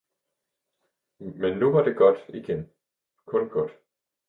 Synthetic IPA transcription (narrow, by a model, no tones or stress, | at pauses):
menːuʋɑ̈d̥e̝ɡ̥ɒd̥iɡ̥en | kʰɔ̽nɡ̥ɔd̥